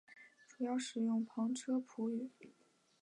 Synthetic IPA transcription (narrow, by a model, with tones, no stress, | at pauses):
ʈ͡ʂu˨˩jɑ˥˩ʊʂɻ̩˨˩jʊ˥˩ŋpʰɑ˧˥ŋʈ͡ʂʰɤ˥pʰu˧˥y˨˩˦